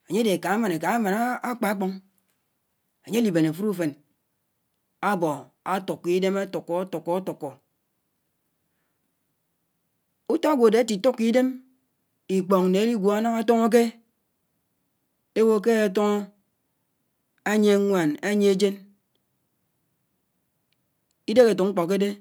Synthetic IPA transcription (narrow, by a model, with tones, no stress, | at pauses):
a˨ɲe˦de˨ka˨˦ma˨ne˨ka˨a˦ma˨na˦a˦k͡pa˨a˦k͡po˦ŋ | a˨ɲe˦li˨be˨na˨fu˦ɾu˦˨fe˨n | a˦bɔ˨ | a˦tu˨kːi˦de˦ma˦to˨kːo˨˦tɔ˨kːɔ˨a˦to˨kːo˨ | u˦ta˦a˦ɡʷo˨de˨˦ti˨tu˦kːi˦de˦m | i˨k͡po˨ŋ˨ne˨e˦li˦ɡʷo˨a˦nɔ˦ŋa˦to˦ŋo˦k̬e˦ | e˦wo˦k̬e˦a˨to˦ŋo˦ | a˦ɲe˦ŋʷa˨na˦ɲe˦d͡ʒe˦n | i˦de˦ke˨tu˨kŋ̩˦k͡po˨k̬ːe˦de˦